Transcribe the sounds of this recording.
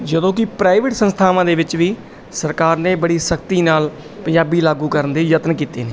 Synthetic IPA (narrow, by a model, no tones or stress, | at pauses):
d͡ʒəd̪õːkɪpɾaːɪʋɪʈsənst̪ʰaːʋãːd̪eːʋɪt͡ʃʋiː | səɾkaːɾnẽːbəɽiːsəkt̪iːnaːl | pənjaːbiːlaːɡuːkəɾənd̪eːjət̪nkiːt̪eːneː